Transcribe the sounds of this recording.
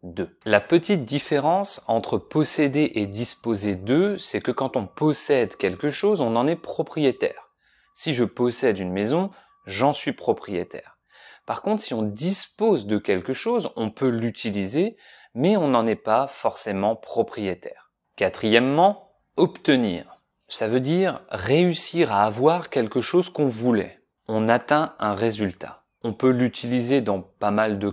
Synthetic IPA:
d̪ølapət̪it̪̚d̪ifeʁɑ̃sɑ̃t̪χəpɔsed̪eʔed̪ispozed̪øsɛkəkɑ̃t̪ɔ̃pɔsɛd̪kʲɛlkəʃozɔ̃nɑ̃nɛpχɔpχijet̪ɛ̰ːʁ | siʒəpɔsɛd̪ynmezɔ̃ | ʒɑ̃sɥipχɔpχijet̪ɛ̰ːʁ | paʁkɔ̃t̪χsiɔ̃d̪ispozd̪əkʲɛlkəʃozɔ̃pølyt̪ʰilize | mɛɔ̃nɑ̃nɛpafɔʁsemɑ̃pχɔpχijet̪ɛ̰ːʁ | kʲat̪χijɛmːɑ̃ | ɔpt̪ənḭːʁ | savød̪iʁʁeysiʁaːvwaʁkʲɛlkəʃozkɔ̃vulɛ̰ | ɔ̃nat̪ɛ̃ɛ̃ʁezylt̪ʰa̰ | ɔ̃pølyt̪ʰilized̪ɑ̃pamald̪ə

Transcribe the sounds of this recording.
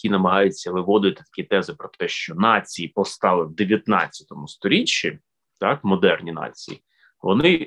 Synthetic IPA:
kʲinɐmɐɦɑjʊt͡sʲːɐʋɪʋɔd̪ɪt̪ɪ̥t̪ɐ̥kʲit̪ɛzɪpɾɔt̪ɛʃt͡ʃɔnɑt͡sʲijipɔst̪ɑlˠɪwd̪eʋʲjɐt̪nɑ̰t͡sʲːjɐ̥t̪ɔmʊst̪ɔɾʲit͡ʃːi | t̪ɑkmɔd̪ɛrnʲinɑ̰t͡sʲḭjḭ | ʋɔ̰nɪ

